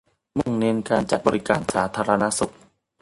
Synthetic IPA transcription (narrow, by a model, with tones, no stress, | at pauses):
mu˧˩ŋne˧˥nkaː˧nt͡ɕa̰˨˩t̪̚bɔ̰ː˧ɾi˦˥kaː˧nsaː˩˦t̪ʰaː˧ɾa˧na˦˥su˨˩k̚